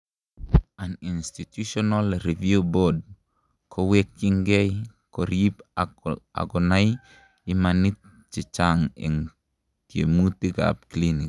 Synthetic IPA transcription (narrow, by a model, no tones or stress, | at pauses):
aninstit̪usonalɾivjubod̚ | kʰowekːiŋɡejkoɾip | a̰ɡonaj | imanit̪̚ | t͡ʃit͡ʃaŋḛŋ | kḛmut̪ika̰p̚klinik̚